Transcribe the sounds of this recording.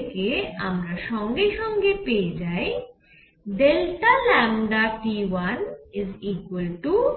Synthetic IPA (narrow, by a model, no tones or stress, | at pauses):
keɐ̰mɾaʃɔ̃ːŋɡeʃɔ̃ːŋɡepeːd͡ʒaːe | ɖelʈalɛ̃ːmɖaʈiʋɐnɪziːkwəlʈu